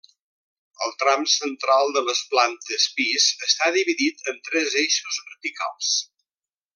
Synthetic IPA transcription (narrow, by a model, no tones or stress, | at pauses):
əlˠt̪ɾamsənt̪ɾalˠd̪ələsplant̪əspizəst̪aðiβiðit̪ənt̪ɾɛzejʃuzβəɾt̪ika̰lˠs